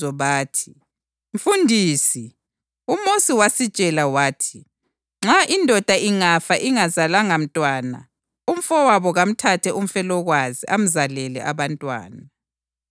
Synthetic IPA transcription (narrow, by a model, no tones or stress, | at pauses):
ɔβaːtʰi̥ | ɱ̩fundʱiːsi | umosiwasid̥t͡ʃʼɛlawaːtʰi̥ | ŋ͡ǁaʔindʱɔd̥ʱaʔiŋafaʔiŋazalaŋam̩tʼwaːna̰ | um̩fɔwaβɔɣam̩tʰatʰɛum̩fɛlɔɣwaziʔam̩zalɛlɛ̰ʔaβantʼwa̰ːna